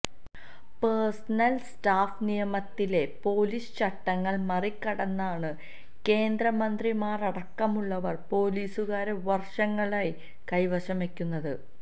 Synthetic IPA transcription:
persɐnɐlstaːfnijɐmɐt̪ːile̞po̞ːliːst͡ɕɐʈːɐŋːɐɭmɐrikːɐɽɐnːaːɳɨ | ke̞ːnd̪ɾɐmɐnd̪rimaːrɐɽɐkːɐmuɭːɐʋɐrpo̞ːliːsuɣaːɾeʋɐrʂɐŋːɐɭaːj | kɐjʋɐɕɐmekʲːunːɐðɨ

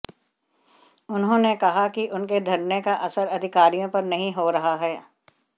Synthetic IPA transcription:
ʊnɦõːnekɐɦakiʔʊnked̪ʱɐɾnekaʔɐsəɾɐd̪ʱɪkaːɾijõpɐɾnɐɦĩɦoɾɐɦaɦɛː

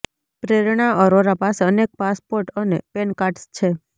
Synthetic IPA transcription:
pɾeɾɳaʔɔɾoɾapaseənek̚paspoɾʈənepenkaʈst͡ʃʰe

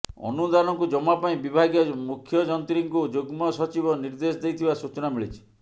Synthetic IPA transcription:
ɔ̰nud̪anɔŋkud͡ʒɔmapaĩbibʱaɡjɔmukʰjɔd͡ʒɔnt̪ɾiŋkud͡ʒoɡmɔsɔt͡ʃibɔniɾd̪esɔd̪ejt̪ʰibasut͡ʃɔnamiɭit͡ʃʰi̥

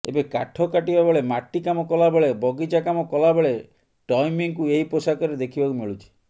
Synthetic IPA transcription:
ḛbeka̰ʈʰɔkaʈibabeɭemaʈːikamɔkɔlabeɭebɔɡid͡ʒakamɔkɔlabeɭe | ʈɔjmiŋkueiposakɔɾed̪ekʰibakumiɭut͡ʃʰi̥

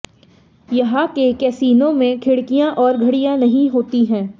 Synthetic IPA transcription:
jɐɦãkekɛːsiːnõmẽkʰɪɽkijãʔɔːɾɡʱɐɽijãnɐɦĩɦoːt̪iɦɛ̃ː

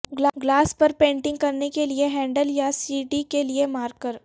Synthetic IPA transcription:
ɡlaɡlaːspɐɾpẽːɳʈɪ̃ŋɡ̚kɐɾnekelieɦɛ̃ːɳɖəljasiːʈikeliemaːɾkəɾ

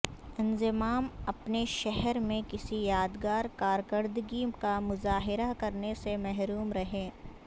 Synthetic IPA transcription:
ɪ̃nzɪmaːmɐpneʃɛɦɛɾmẽkɪsijaːd̪ɡaːɾkaːɾkəɾd̪ɡikamʊzaːɦɪɾakɐɾnesemɛɦɾuːmɾɐɦẽː

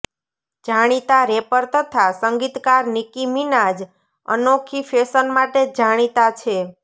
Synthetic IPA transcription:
d͡ʒʱaɽ̃it̪aɾepəɾt̪ət̪ʰasəŋɡit̪kaɾnikiminad͡ʒ | ə̰nokʰifesənmaʈed͡ʒaɽ̃it̪at͡ʃʰe

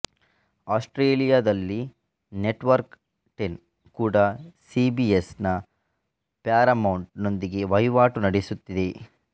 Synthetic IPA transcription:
aːsʈɾeːlijaːd̪ɐlːi | neʈʋɐɾk | ʈen | kuːɽɐsibiesnɐ | pjaːɾɐmɐwɳʈno̞nd̪iɡe̞ʋɐjʋaːʈunɐɽesut̪ːid̪e̞

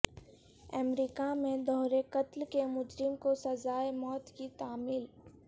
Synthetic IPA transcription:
ə̰mɾiːkamẽd̪ɔːɦɾekət̪lkemʊd͡ʒɾɪmkosɐzaːemɔːt̪kit̪aːmɪl

